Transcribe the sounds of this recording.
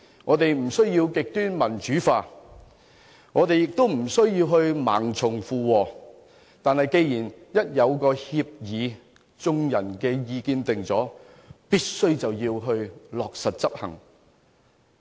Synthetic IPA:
ŋɔː˨˧˥t̪e˨jm̩˨˩sɵ˥ɥjiː˧wkɪ˨k̚t̪yː˥nmɐ˨˩nt͡ʃyː˨˥faː˧ | ŋɔː˨˧t̪e˨jɪ˨k̚t̪o˥wm̩˨˩sɵ˥ɥjiː˧wɦɵ˧ɥma̰ː˨˩ŋt͡sʰʊ˨˩ŋfuː˨wɔː˨˧ | t̪aː˨nhɐ˨jke˧jjiː˨˩njɐ˥t̚jɐ˨˧wkɔː˧hiː˧p̚jiː˨˧ | t͡sʊ˧ŋjɐ˨˩nkɛː˧jiː˧kiː˧nt̪ɪ˨ŋt͡sɔː˨˥ | piː˥t̚sɵ˥ɥt͡sɐ˨wjiː˧wɦɵ˧ɥlɔː˨k̚sɐ˨t̚t͡sɐ˥p̚hɐ̰˨˩ŋ

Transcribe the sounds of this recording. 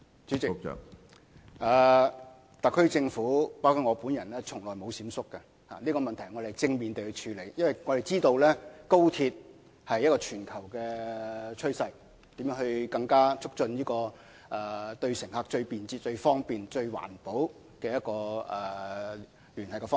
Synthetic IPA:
t͡ʃyː˨˥t͡sɪ̰˨ | ʔɛː˨ | t̪ɐ˨kʰːɵ˥t͡sɪ˧ŋfuː˨˥paː˥kʰu˥t̚ŋɔː˨˧puː˨˥njɐ˨˩nlɛː˥t͡sʰʊ˨˩ŋlɔː˨˩jmo˨˧wsiː˨˥msʊ˥kːɐ˧ | ha̰ː˨liː˥kɔː˧mɐ˨nt̪ʰɐ˨˩jŋɔ˨˧d̪e˨˩t͡sɪ˧ŋmiː˨nt̪e˨jhɵ˧t͡ʃʰyː˨˧le˨˩jjɐ˥nwɐ˨˩jŋɔː˨˧ɾe˨˩jt͡siː˥t̪o˧wlɛː˥ko˥wt̪ʰiː˧t̚ | hɐ˨jːɐ˥t̚kɔː˧t͡ʃʰyː˨˩nkʰɐ˨˩wkɛː˧t͡ʃʰɵ˥sɐ˧j | t̪iː˨˥mjœː˨˥ŋhɵ˧ɥkɐ˧ŋkaː˥t͡sʰʊ˥k̚t͡ʃɵ˧njiː˥kɔː˧ | ʔɛ˨˧t̪ɵ˧ɥsɪ˨˩ŋhaː˧k̚t͡ʃɵ˧ɥpiː˨nt͡siː˧t̚t͡ʃɵ˧ɥfɔː˥ŋpiː˨nt͡ʃɵ˧ɥwa̰ː˨˩npo˨˥w | kɛː˧jɐ˥t̚kɔː˧ɛ˨˩ | lyː˨˩nhɐ˨jkɛ˧fɔː˥

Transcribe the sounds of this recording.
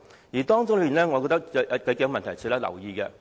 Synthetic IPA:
jiː˨˩t̪ɔː˥ŋt͡sʊ˥ŋlpi˨nɛː˥ŋɔː˨˧kɔ˧t̪ɐ˥k̚ɐ˧kɐ˨˧˥kːŋ˧mɐ˨nt̪ʰɐ˨˩jt͡sʰyː˧˥lɐː˥lɐ̰˨˩wjiː˧kɛ˧

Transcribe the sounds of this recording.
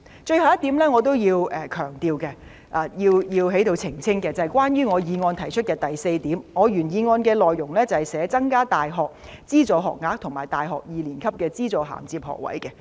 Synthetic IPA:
t͡ʃɵ˧ɥhɐ˨wjɐ˥t̪i˨˥mlɛː˥ŋɔ˨˧t̪o˥wjiː˧wʔɛː˧kʰœː˨˩ŋt̪iː˧wkɛ˧ | ʔaː˨˧jiː˧wjiː˧wɦe˨˥jt̪o˧wt͡sʰɪ˨˩ŋt͡sʰɪ˥ŋkɛː˧t͡sɐ˨ɐ˨˩jkwaː˥njyː˥ŋɔː˨˧jiː˨˧ŋɔː˧nt̪ʰɐ˨˩jt͡ʃʰɵ˥t̚kɛː˧t̪ɐ˨jse˧jt̪iː˨˥mŋɔː˨˧jyː˨˩njiː˨˧ŋɔː˧nkɛː˧lɔː˨jːʊ˨˩ŋlɛː˥t͡sɐ˨˩hɐ˨jsɛː˨˧˥t͡sɐ˥ŋkaː˥t̪aː˨jɦɔː˨˩k̚ | t͡siː˥t͡sɔː˨˧ɦɔ̰ː˨k̚ŋaː˧˥k̚t̪ʰʊ˨˩ŋmaː˨˩jt̪aː˨jɦɔː˨k̚jiː˨˧liː˨˩nkʰɐ˥p̚kɛː˧t͡siː˥t͡sɔː˨˧ɦa̰ː˨˩mt͡siː˧p̚hɔ̰ː˨˩k̚wɐ̰˨˥jkɛ˧

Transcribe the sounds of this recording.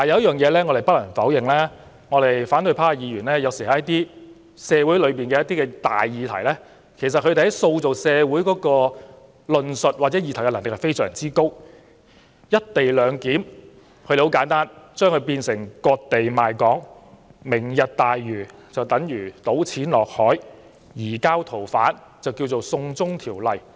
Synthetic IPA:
t̪aː˨jɐ˨˧wɐ˥jœː˨˩ŋjɛː˨˧lɛː˥ŋɔː˨˧ɾe˨jpɐ˥t̚lɐ˨˩nfɐ˨˥wjɪ˨ŋlaː˥ | ŋɔː˨˧ɾe˨jfaː˨˥nt̪ɵ˧jpʰaː˥a˨jiː˨˧jyː˨˩nlɛː˥jɐ˨˧wsi˨hɐ˨˦jɐ˥t̪iː˥ | sɛː˨˧wu˨˥jlɵ˨˧piː˨nkɛː˧jɐ˥t̪̚iː˥kɛ˧t̪a̰ː˨jːiː˨˧t̪ʰɐ̰˨˩jlɛː˥ | kʰe˨˩js̬ɐ˨t̚kʰɵ˧d̪e˨hɐ˨˥jso˧wt͡so˨wsɛː˨˧wuː˨˥jkɔː˨˥kɔː˧ | lɵ˧nsɵ˨t̚wa˨t̚t͡sɛː˨˥ji˧t̪ʰkɛ˧lɐ˨˩nlɪ˨khɐ˨jfe˥jsœː˨˩ŋt͡siː˥ko˥w | jɐ˥t̚t̪e˨jlœː˨˧ŋkiː˨˥m | kʰɵ˧de˨ho˨˥wkaː˨˥nt̪aː˥nt͡ʃœː˥ŋkʰɵ˧ɥpiː˧nsɪ˨˩ŋkɔː˧k̚t̪e˨jmaː˨jkɔː˨˥ŋmɪ˨˩ŋjɐ˨t̚t̪aː˨jːyː˨˩t͡sɐ˨wt̪ɐ˨˥ŋjyː˨˩t̪o˨˥wt͡sʰiː˨˥nlɔː˨k̚hɔː˨˥j | jiː˨˩kaː˥wt̪ʰo˨˩wfaː˨˥n | t͡sɐ˨wki˧wt͡so˨wsʊ˧ŋt͡sʊ˥ŋt̪ʰiː˨˩wlɐ˨˩j

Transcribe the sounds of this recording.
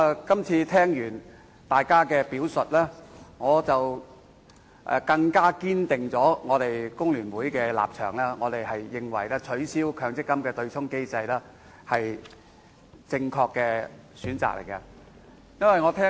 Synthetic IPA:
kɐ˥mt͡sʰiː˧t̪ʰɛː˥ŋjyː˨˩n | t̪aː˨jkaː˥kɛː˧piː˨˥wsɵ˨t̚lɛː˥ŋɔː˨˧t͡sɐ˨w | ʔɛ̰˨kɐ˧ŋkaː˥kiː˥nt̪ɪ˨ŋt͡sɔː˨˥ŋɔː˨˧t̪e˨jkʊ˥ŋlyː˨˩nwuː˨˥jkɛː˧la̰ː˨p̚t͡ʃʰœː˨˩ŋlɛː˥ŋɔː˨˧t̪e˨jhɐ˨jːɪ˨ŋwɐ̰˨˩jlɛː˥t͡ʃʰɵ˨˥ɥsiː˥wkʰœː˧ŋt͡sɪ˥kːɐ˥mkɛː˧t̪ɵ˧ɥt͡sʰʊ˥ŋke˥jt͡sɐ˧jlɛː˥ | hɐ˨j | t͡sɪ˧ŋkʰɔː˧kːɛː˧syː˨˥nt͡sa̰ː˨k̚lḛ˨˩jkɐ˧ | jɐ˥nwɐ˨jŋɔː˨˧t̪ʰɛː˥

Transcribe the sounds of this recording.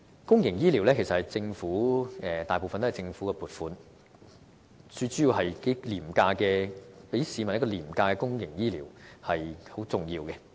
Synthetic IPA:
kʊ˥ŋjɪ˨˩ŋjiː˥liː˨˩wlɛː˥kʰe˨˩sɐt̚hɐ˨jt͡sɪ˧ŋfuː˨˥ɛː˨˧t̪aː˨˩po˨wfɐ˨nt̪o˥˨˩t͡sɪ˧ŋfuː˨˥kɛ˧puː˨˩t̚fuː˨˥n | t͡sɵ˧t͡sy˨˥jiː˨˧wɦɐ˨jke˨˥liː˨˩mkaː˧kɛː˧pe˨˥jsiː˨˧mɐ˨˩njkːɔː˧liː˨˩mkaː˧kɛ˧kʊ˥ŋjɪ˨˩ŋjiː˥liː˨˩whɐ˨jho˨˥wt͡sʊ˨˩ŋjiː˧wkɛ˧

